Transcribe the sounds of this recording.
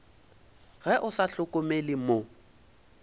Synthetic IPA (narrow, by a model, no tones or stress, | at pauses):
ɣɛʔʊsaɬʊkʼʊmelɪmo